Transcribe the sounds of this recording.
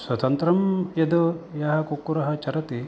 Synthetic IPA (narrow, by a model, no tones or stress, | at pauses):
swɐt̪ɐnt̪ɾɐmjɐd̪ujɐɦɐkukːuɾɐɦɐt͡ʃɐɾɐt̪i